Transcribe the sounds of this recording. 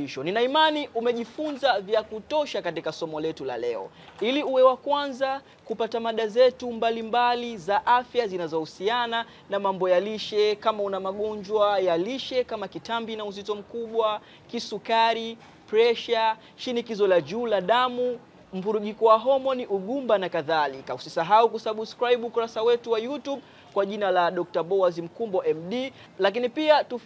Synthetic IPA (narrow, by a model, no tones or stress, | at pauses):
iʃɔninaimaniʔumɛʄifunzavjakutɔʃakatikasɔmɔlɛtula̰lɛ̰ɔ̰ | iliuwɛwakwanza | kupatamaɗazɛtumbalimbalizaʔafjazinazɔhusiana | namambɔjaliʃɛkamaunamaɠɔɲd͡ʒwajaliʃɛkamakitambinauzitɔm̩kuɓwa | kisukaɾi | pɾɛʃa | ʃinikizɔlad͡ʒuːlaɗamu | m̩vuɾuʄikɔwaɦɔmɔniʔuɠumbanakaðalikausisaɦaukusaɓskɾaiɓuːkuɾasawɛtuwajutuɓ | kwaʄinalaɗɔk̚taɓɔazim̩kumbɔʔɛmɗi | lak̬inipiatu